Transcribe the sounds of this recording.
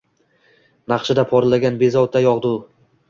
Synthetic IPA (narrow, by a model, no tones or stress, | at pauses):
nɑqʃɪd̪apʰɒɾlaɡʲanbe̞zɒwt̪ʰːajɒʁd̪ʊ